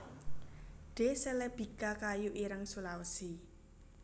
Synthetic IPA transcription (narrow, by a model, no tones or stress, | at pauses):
ɖ̥esɛlɛb̥i̤kakajuʔiɾəŋsulawəsi